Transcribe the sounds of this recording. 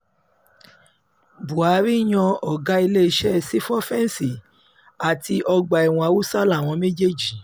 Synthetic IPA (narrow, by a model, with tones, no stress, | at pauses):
bu˨a˨˦ɾi˦˨j̃ɔ̃˧ɔ˨ɡa˨˦i˧le˦i˧ʃɛ˦˧si˦fɔ˦fɛ˦n˨si˨ | a˨ti˧ʔɔ˧ɡ͡ba˧˨ɛ˨w̃ɔ̃˧a˧wu˦sa˦la˦˨w̃ɔ̃˧me˦d͡ʒe˦˨d͡ʒi˨